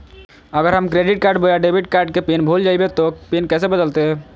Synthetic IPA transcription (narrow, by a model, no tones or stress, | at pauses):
əɡəɾɦəmkɾeɖiʈ̚kaɾɖbəjaɖebʱiʈ̚kaɾɖkepenbʱuld͡ʒajbet̪ɔpenkɛsebəd̪əlt̪e